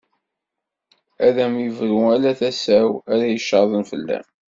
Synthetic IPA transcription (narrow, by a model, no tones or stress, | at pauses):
æðæmjəvɾuælæθæsæwæɾæjəʃɑðˤənfəlːæ̰m